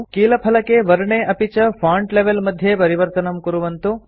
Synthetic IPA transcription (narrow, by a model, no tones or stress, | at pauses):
kiːlɐpʰɐlɐkeʋɐɾɐɳeʔɐpit͡ʃɐpʰaːɳʈleʋelmɐd̪ʱːjepɐɾiʋɐɾt̪ɐnɐmkuɾuʋɐnt̪u